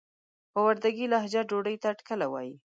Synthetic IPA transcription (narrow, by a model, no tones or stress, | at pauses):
pawaɾd̪aɡilaɦd͡ʒaɖoɖəjt̪aʈkəlawɑ̰ji